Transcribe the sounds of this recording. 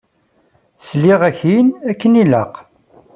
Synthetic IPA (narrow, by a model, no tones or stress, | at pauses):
sliʁæçinækːəniləq